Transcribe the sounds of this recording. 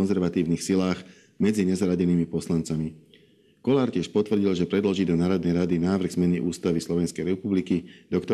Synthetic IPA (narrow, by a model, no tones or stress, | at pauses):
nzɛɾʋat̪iːʊniːxsilaːɣ | mɛd͡ziɲɛzaɾaɟɛniːmipɔslant͡sami | kɔlaːɾcɪɛʃpɔt̪ʋr̩ɟilˠʒɛpɾɛd̪lɔʒid̪ɔnaːɾɔd̪nɛjɾad̪inaːʋr̩ɣz̥mɛniʔuːst̪aʋislɔʋɛnskɛjɾɛpublikid̪̥ɔkt̪ɔ